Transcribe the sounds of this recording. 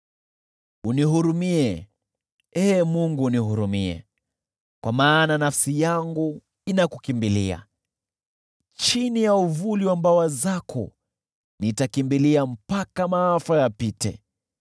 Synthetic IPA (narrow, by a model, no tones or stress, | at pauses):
uniɦuɾumiɛ | ɛmuŋɡuniɦuɾumiɛ̰ | kwamaːnanafsijaŋɡu | inakukimbilḭa̰ | t͡ʃinijauvuliwambawazakʰɔ̰ | nitakimbiliam̩pakamaafajapitɛ̰